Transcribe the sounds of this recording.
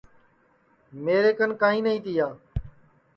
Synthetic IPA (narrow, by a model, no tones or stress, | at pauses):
meːɾeːkənkãːɦĩːnəɦĩːt̪ɪjaː